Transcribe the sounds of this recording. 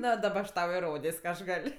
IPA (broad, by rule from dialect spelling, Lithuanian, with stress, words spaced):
ˈnoː dɐˈbɐ ɐʃ ˈtɐʊ ɪˈroːdʲeːsʲ kɐ ˈɐʃ ˈɡɐlʲ